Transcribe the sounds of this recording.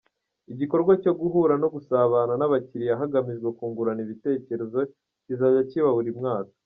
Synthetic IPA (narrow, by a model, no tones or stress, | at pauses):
iɟiko̞ɾɡwaco̞ɡuɦuːɾano̞ɡusaβananaβaciɾiaɦaɡamiʒɡekuːŋɡuɾaniβite̞ːce̞ɾe̞zo̞ | cizajaciβahuɾimŋaːtḁ